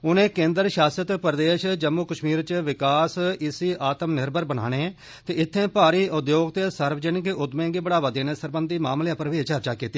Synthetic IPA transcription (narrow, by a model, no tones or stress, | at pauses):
ʊnẽːkẽːnd̪əɾʃaːsjət̪pəɾd̪eːʃd͡ʒəmːuːkəʃmiːɾt͡ʃʋɪkaːsɪsiːʔaːt̪əmnɪɾbʱəɾbəna̰ːɽ̃eː | t̪eːɪt̪ʰːẽːpaːɾiːʔʊd̪joːɡt̪eːsəɾʋəd͡ʒənkeʔʊd̪mẽːɡiːbəɽaːʋaːd̪eːneːsəɾbənd̪iːmaːmlejãːpɾəʋeːt͡ʃəɾt͡ʃaːkiːt̪iː